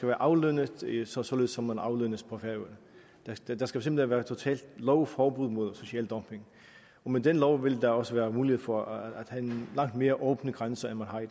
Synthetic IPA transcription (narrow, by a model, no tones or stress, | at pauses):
sɡæʋæːɐʔɑ̈ʊlønəðˠssɒ̽le̝ðˠsɒ̽menɑ̈ʊlønəspʰʁɒfæ | d̥æd̥d̥ɑsɡ̥æfʰsemb̥leʋæːɐt͡sʰo̝t͡sʰɛ̰ːld̥lɒʊfɒːb̥uð̰ˠmo̝ðˠso̝ɕiɛːld̥ɒ̽mpʰe̝ŋ | ɒ̽med̥enlɒʊʋe̝ld̥ɑɒ̽səʋæːɐmuːlihḛfɒæd̥hæe̝nlɑ̈ŋ̰d̥me̝ːɐʔɔːb̥nəɡ̥ʁansɐenmænɦɑ̈ɪ